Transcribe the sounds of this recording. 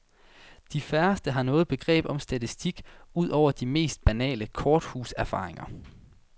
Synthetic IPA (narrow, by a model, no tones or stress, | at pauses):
d̥ifæɐsd̥əɦɑ̈nɔ̽ːð̩ˠb̥e̝ɡ̥ʁɛ̰ːb̥ɒ̽msd̥æt͡sʰisd̥iɡ̥uð̞̰ˠɒʊ̰ɐd̥ime̝̰ːsd̥̚b̥ænɛ̰ːləkʰɒːd̥huːsæɐfɑ̈ːʁeŋɐ